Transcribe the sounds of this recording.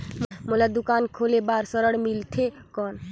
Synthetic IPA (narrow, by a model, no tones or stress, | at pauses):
mulad̪ukankʰolebaɾsəɾəɽmilt̪ʰekɔn